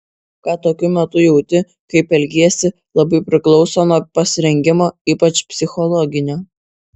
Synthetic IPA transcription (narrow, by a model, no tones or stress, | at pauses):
kɑːt̪oːkʲʊmʲɛt̪ʊjɛʊt̪ʲɪ | kɐɪpɛlʲɡʲiɛsʲɪ | lˠɐbɐɪpʲɾʲɪklˠɒʊsoːnoːpɐsʲɪɾʲɛŋʲɡʲɪmoːiːpɐt͡ʃpʲsʲɪxɔlˠɔɡʲɪnʲoː